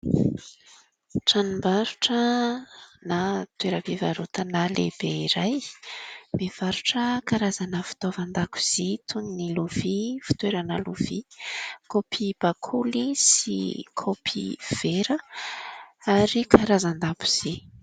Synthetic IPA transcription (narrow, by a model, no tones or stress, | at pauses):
ʈ͡ʂanimbaɾuʈ͡ʂə | nat̪weɾəveva̰ɾut̪analeb̥eiɾaj | mev̥aɾuʈ͡ʂəkaɾazanəfi̥t̪ovand̪aku̥z̥it̪ʰunniluv̥ifi̥t̪weɾənəluv̥ikopʰib̥akʰulisḭkʰopʰiv̥eɾə | aɾikʰaɾazand̪apu̥z̥i